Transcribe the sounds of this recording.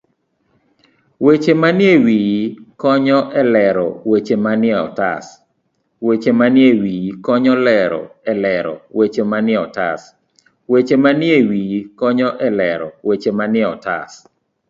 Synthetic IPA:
wet͡ʃemanɪewijkɔɲɔʔɛlɛɾɔwet͡ʃemanɪɛɔ̰ta̰s | wet͡ʃemanjewijkɔɲɔlɛɾɔ̰ɛlɛɾɔ̰wet͡ʃemanɪɛɔta̰s | wet͡ʃemanjewijikɔɲɔʔɛlɛɾɔwet͡ʃemanɪɛɔta̰s

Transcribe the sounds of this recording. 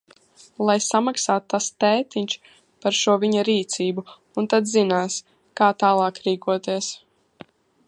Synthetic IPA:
lˠajsamaksaːt̪ːast̪ɛːt̪iɲʲt͡ʃ | paɾʃuɔvʲiɲaɾiːt̪siːbu | unt̪ad̪zinaːs | kaːt̪aːlˠɑːkɾiːkuɔt̪iɛs

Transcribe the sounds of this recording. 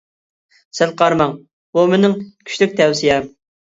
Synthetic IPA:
sælqʰɑɾmɑŋ | bumɪnɪŋkʲʰy̥ʃlyk̚ʲt̪ʰɛwsijɛ

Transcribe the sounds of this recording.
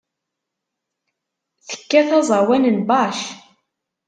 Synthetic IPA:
θə̥kːæθɑzˤəɾwænənbɑʃ

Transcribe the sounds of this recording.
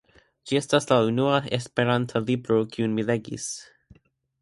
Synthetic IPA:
d͡ʒiestaslaunuaespeɾantʰalibɾokiunmileɡḭs

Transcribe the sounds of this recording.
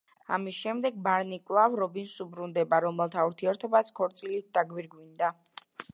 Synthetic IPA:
a̰misʃɛmd̪ɛɡ̚baɾnikʼwlˠavɾɔbinsubɾund̪ɛbaɾɔmɛlˠt̪ʰauɾt̪ʰiɛɾt̪ʰɔbasʰkʰɔɾt̪sʼilit̪̚d̪aɡwiɾɡwind̪a

